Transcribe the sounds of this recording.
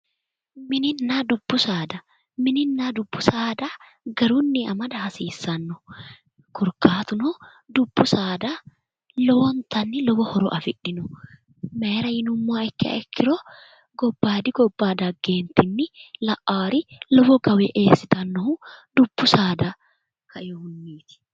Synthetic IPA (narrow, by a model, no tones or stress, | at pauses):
mɪnɪnːaːd̪ʊbːʊsaːd̪ɐ | mɪnɪnːaːd̪ʊbːʊsaːd̪ɐ | ɡɐɾunːɪɐmɐd̪ɐhɐsiːsːɐnːɔ | kʰɔɾkaːt̪ʊnɔ | d̪ʊbːʊsaːd̪ɐ | lɔwɔnt̪ɐnːɪlɔbɔhɔɾɔ̰ʔɐfɪᶑɪnʊ | meːɾɐjɪnʊmːaːɛkːɪɐ̰ɛkʰːɪɾɔ | ɡɔbːaːd̪ɪɡɔbːaːd̪ɐɡːeːnt̪ɪnːɪlɐʔaːɾɪlɔfɔɡɐwɛʔe̞ːsːɪt̪ɐnːɔhʊd̪ʊbːʊsaːd̪ɐ | kɐjɔhʊnːiːt̪ɪ̥